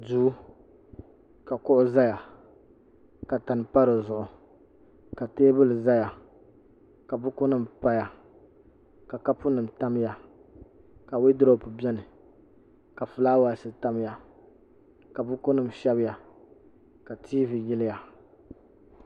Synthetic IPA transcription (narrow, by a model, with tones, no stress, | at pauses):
duː˦ | ka˨kʊ˦ʔʊ˦za˦ja˨ | ka˨ta˨n˨pa˦ɾɨ˨zʊ˨ʔʊ˨ | ka˨teː˦bɨ˦lɨ˨za˦ja˨ | ka˨bʊ˦kʊ˦nɨ˨m̩˨pa˦ja˨ | ka˨ka˦pʊ˦nɨ˨m̩˨ta˦m˦ja˨ | ka˨wɪ˦dʊ˦ɾo˦˨pʊ˨bɛ˦nɨ˨ | ka˨fɨ˨laː˦wa˨lsɨ˨ta˦m˦ja˨ | ka˨bʊ˦kʊ˦nɨ˦˨m̩˨ʃɛ˦bɪ˦ja˨ | ka˨tʰiː˦vi˨jɪ˦lɪ˦ja˨